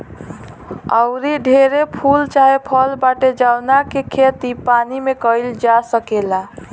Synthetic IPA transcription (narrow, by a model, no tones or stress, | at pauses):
ə̰ʊɾiɖʱeɾepʰult͡ʃaɦepʰəlbaʈed͡ʒaʊnakekʰet̪ipanimekəɪld͡ʒasəkela